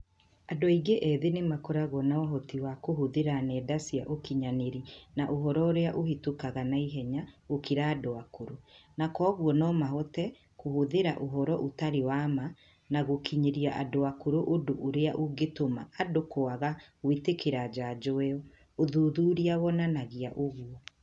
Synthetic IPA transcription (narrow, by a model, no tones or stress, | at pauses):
adɔiɡeʔɛðenemakɔɾaɣɔnaɔɦɔtiwakoɦoðeɾanɛdasiaʔokiɲaneɾinaʔoɦɔɾɔoɾeaʔohetukaɣanaiɦɛɲaokiɾaːdoakoɾonakɔːɣwɔnɔmaɦɔtɛ | kohoðeɾaʔoɦɔɾɔʔotaɾewama | naɣokiɲeɾiaʔadoakoɾoʔodoʔoɾeaʔoɡetoma̰ːdokoaɣaɣwetekeɾad͡ʒad͡ʒɔwɛɔ | oðuːðuːɾiaβɔnanaɣiaʔoɣuɔ